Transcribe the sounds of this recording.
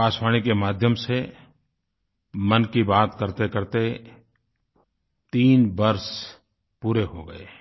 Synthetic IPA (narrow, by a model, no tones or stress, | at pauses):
aːswaːɽ̃ikemaːd̪ʱjəmse | mənkibaːt̪kəɾt̪ekəɾt̪e | t̪iːnbəɾs | puːɾeɦoɡəḛː